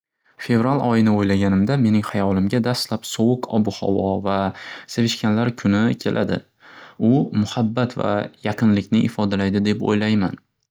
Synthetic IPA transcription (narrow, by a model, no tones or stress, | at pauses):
fe̞vɾalɒjɪnɪojlaɡʲanɪmd̪ame̞nɪŋhajɒlˠɪmɡʲad̪ast̪lapsɒwʊqʰɒ̰bʊhɒ̰wɒvasevɪʃkʲanlaɾkʰʊnɪkʲʰe̞̰lʔad̪ɪ̰ | ʊmʊhabːat̪va̰jaqʰɨnlɪkʲnɪʔɪfɒd̪alajd̪ɪd̪e̞po̰jlajma̰n